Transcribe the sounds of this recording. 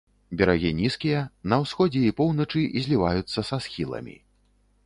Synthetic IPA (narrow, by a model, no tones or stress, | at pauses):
bʲɛɾaɣʲinʲiskʲijɐnɐwsxɔd͡zʲɛipɔwnɐt͡ʂɨʔizʲlʲivajut̪sːɐsasxʲilˠɐ̰mʲḭ